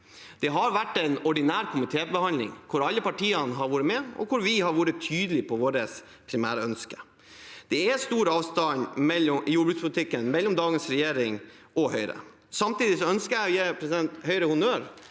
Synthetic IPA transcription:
d̪̥ɛɦɑɾʋæʈːɛɪnɔɖɪnæːɾkʰʊmɪt̪ʰeːbəhɑnlɪ̰ŋkʰʊɾɑlːəpɑʈʰiːənɦɑɾʋuːɾəmɛɔ̰kʰʊɾʋɪhɑɾʋuːɾət̪ʰyːd̪əlɪpʰɔʋoːɾəs | pʰɾɪmæ̰ːɾəœnskə̥ | d̪̥ɛɛst̪uːɾɑːʋst̪ɑnmɛlːɔjuːɖbʉːt̪spʰʊlɪt̪ɪkːənmɛlːɔmd̪ɑːɡənsɾɛjeːɾɪŋʔɔhœʏɾə̰ | sɑmt̪iːd̪ɪsɔœnskəɾæɪjæpʰɾɛsɪd̪ɛnt̪hœʏɾəhʊnøːɾ

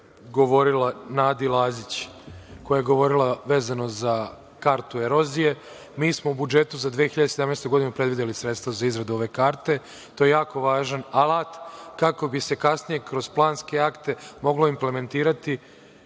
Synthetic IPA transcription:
ɡo̞ʋo̞ɾilanaːd̪ilˠaːzit͡ɕko̞jajeɡo̞ʋo̞ɾilaʋe̞ːzano̞za | kaɾt̪ueɾo̞zije̞ | miːsmo̞ubud͡ʒet̪uzad̪ʋijexiʎad̪eseamnest̪ojɡo̞d̪inupɾed̪ʋid̪elisɾet̪st̪vazaizɾad̪uo̞ʋe̞kaːɾt̪e̞ | t̪oje̞jaːkoʋaːʒanalˠat̪kako̞bise̞kasnije̞kɾo̞z̥plˠaːnske̞akt̪e̞mo̞ɡlo̞imple̞me̞nt̪iːɾat̪i

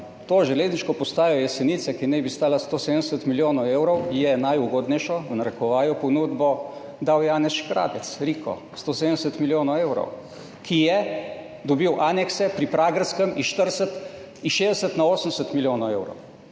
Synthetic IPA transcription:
t̪oːʒɛleːzniʃkɔpɔst̪aːjɔjɛsɛniːt̪sakinɛbist̪aːlast̪oːsed̪ənɛsət̪miljoːnɔweːwɾɔwjɛnajuɡoːd̪nɛjʃɔwnaɾəkɔʋaːjɔpɔnuːd̪bɔ | d̪awjaːnɛsʃkɾa̰ːp̪ɛt̪sɾiːkʰɔ̰ | st̪oːsed̪ənɛs̬ət̪miljoːnɔweːwɾɔ̰w | kʰijɛ | d̪ɔbiwʔaːnɛksɛpɾipɾaːɡɾskəmiʃt̪əɾsət̪ | iʃeːzd̪əsət̪naoːsən̩sət̪miljoːnɔwewɾɔ̰w

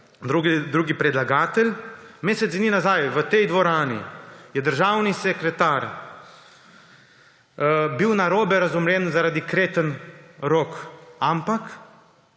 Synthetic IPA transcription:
d̪ɾuɡɛd̪ɾuːɡipɾɛd̪laɡaːt̪ɛlʲmeːsɛt̪sininazajʋət̪ɛjd̪ʋɔɾaːnḭjɛd̪əɾʒaːwnisɛkɾɛt̪aːɾ | biwnaɾoːbɛɾazumɾɛnzaɾad̪ikɾeːt̪ənɾoːkampak

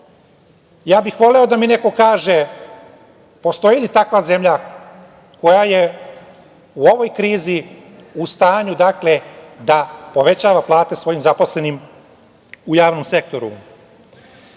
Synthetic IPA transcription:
jaːbixʋo̞leo̞d̪amine̞ko̞kaːʒe̞ | po̞st̪o̞jilit̪akʋaze̞mʎa | ko̞jaje̞ | uo̞ʋo̞jkɾiːzi | ust̪aːɲud̪akle̞d̪apo̞ʋe̞t͡ɕaːʋaplˠaːt̪e̞sʋo̞jimzapo̞sle̞nim | ujaːʋno̞mse̞kt̪o̞ɾṵ

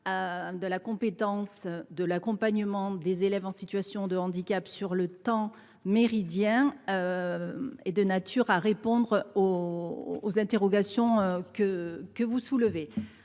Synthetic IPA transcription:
ød̪əlakɔ̃pet̪ɑ̃sd̪əlakɔ̃paɲəmɑ̃d̪ezelɛvɑ̃sit̪ɥasjɔ̃d̪əɑ̃d̪ikapsyʁlət̪ɑ̃ | meʁid̪jɛ̃ | ed̪ənat̪yʁaʁepɔ̃d̪ʁoː | zɛ̃t̪eʁɔɡasjɔ̃økəkəvusuləve

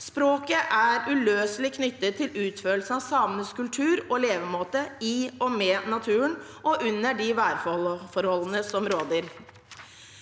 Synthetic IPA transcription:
spɾoːkəʔæɾʉløːslɪkʰnʏt̪ːət̪ʰːɪlʉːt̪føːl̩sənɑʋsɑmnəskʉlt̪ʰʉːɾɔleːʋəmoːt̪əiɔmeːnɑt̪ʰʉːənʔɔʔʉnːəɖɪʋæːɾfɔfɔɾhɔlːənəsɔmɾoːd̪əɾ

